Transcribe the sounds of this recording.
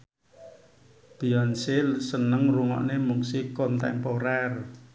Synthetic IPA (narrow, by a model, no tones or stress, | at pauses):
b̥ijɔnsesənəŋruŋɔ̰ʔnemuksikont̪ɛ̰mpoɾɛr